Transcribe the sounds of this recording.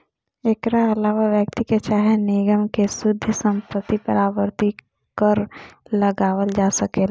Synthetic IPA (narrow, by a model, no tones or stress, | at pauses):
eːkɾaɐlaːʋaʋjək̚t̪iket͡ʃaːɦenɪɡəmkesʊd̪ʱjəsə̃mpət̪ːipəɾaːʋəɾt̪i | kəɾləɡaːʋəld͡ʒaːsəkeːl